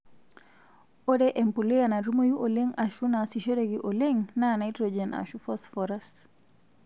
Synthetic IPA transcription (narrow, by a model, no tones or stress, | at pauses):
odɛʔempulijanaɾumojuʔoleŋaʃunasiʃoɾeɡiʔoleŋnanaitɾod͡ʒena̰ʃufɔsfɔɾas